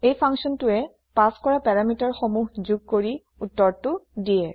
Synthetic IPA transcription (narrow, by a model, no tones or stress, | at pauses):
ejpʰaŋsɔntʊɛ | paskɔɹapɛɹamitaɹxomuɦzuɡ̚koɹi | utːɔɹtʊdiɛ